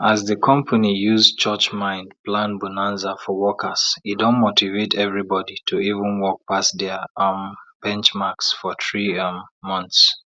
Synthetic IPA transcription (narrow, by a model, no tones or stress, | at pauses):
azðəkʰɔ̃mpʰanijuzt͡ʃɜt͡ʃmãɪ̃ndplãnbunãnzafɔwɔkʰəzidõnmotʰivetʰɛvɹibɔditʰuivə̃nwɔk̚pasdɛamb̥ɛ̃nt͡ʃmaksfɔθɹiːʌ̃nθs